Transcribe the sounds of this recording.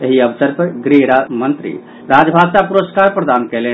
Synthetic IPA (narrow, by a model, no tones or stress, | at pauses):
eɦiəbsəɾpəɾɡɾiɾamənt̪ɾḭ | ɾad͡ʒbʱasapuɾoskaɾpɾəd̪ankɛle